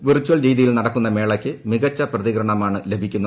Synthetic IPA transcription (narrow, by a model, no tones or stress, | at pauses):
ʋirt͡ɕːuwɐɭɾijðijilnɐɽɐkːunːɐme̞ːɭɐkʲːɨmiɣɐt͡ɕːɐprɐðikɾɐɳɐmaːɳɨlebʱikʲːunːɐ